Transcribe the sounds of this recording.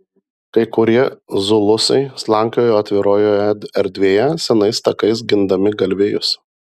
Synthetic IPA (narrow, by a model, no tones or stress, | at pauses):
kɐɪkʊɾʲiɛzʊlˠʊsɐɪslˠɑˑŋʲkʲoːjoːɐt̪ʲʋʲɪɾoːjoːɛɾʲd̪ʲʋʲeːjɛsʲɛnɐɪst̪ɐkɐɪs̬ɡʲɪnd̪ɐmʲɪɡɐlʲʋʲeːjʊs